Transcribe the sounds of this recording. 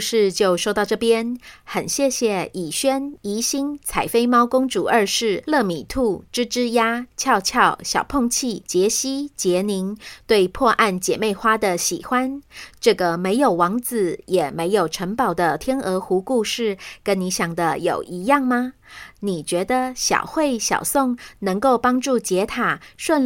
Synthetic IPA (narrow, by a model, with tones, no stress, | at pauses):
ʂɻ̩˥˧t͡ɕjo˥˩˧ʊʂo˥ʊt̪ɑ˥˧ʊʈ͡ʂɤ˥˩pjɛ˥nxə˨˩nɕjɛ˥˧ɕjɛ˨˩i˨˩ɕɥɛ˥ni˧˥ɕi˥ŋt͡sʰa˨˩ɪfe˥ɪmɑ˥ʊkʊ˥ŋʈ͡ʂu˨˩ə˞˥˧ʂɻ̩˥˩lɤ˥˩mi˨˩t̪ʰu˥˩ʈ͡ʂɻ̩˥ʈ͡ʂɻ̩˥ja˥t͡ɕʰjɑ˥˧ʊt͡ɕʰjɑ˥˩ʊɕjɑ˨˩ʊpʰo˥˧ŋt͡ɕʰi˥˩t͡ɕjɛ˧˥ɕi˥t͡ɕjɛ˧˥ni˧˥ŋt̪we˥˧ɪpʰwɔ˥˧ʔa˥˩nt͡ɕjɛ̰˨˩me˥˩ɪxwa˥d̪ə˨ɕḭ˨˩xwa˥nʈ͡ʂɤ˥˩ɡə˩me˧˥ɪjo˨˩ʊwɑ˧˥ŋt͡sɹ̩˨˩jɛ˨˩me˧˥ɪjo˨˩ʊʈ͡ʂʰə˧˥ŋpɑ˨˩ʊd̪ə˦t̪ʰjɛ˥nʔɤ˧˥xu˧˥ku˥˧ʂɻ̩˥˩kə˥nni˧˥ɕjɑ˨˩ŋd̪ə˦jo˨˩ʊʔi˧˥jɑ˥˩ŋmɐ˧ | ni˨˩t͡ɕɥɛ˧˥d̪ə˧ɕjɑ̰˨˩ʊxwe˥˩ɪɕjɑ̰˨˩ʊsʊ˥˩ŋnɤ˧˥ŋko˥˩ʊpɑ˥ŋʈ͡ʂu˥˩t͡ɕjɛ˧˥t̪ʰa˨˩ʂwə˥˧n